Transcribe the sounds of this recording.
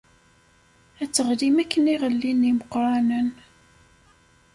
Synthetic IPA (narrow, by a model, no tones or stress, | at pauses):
æt͡sːəʁlimækːəniʁəlːiniməqɾˤɑnən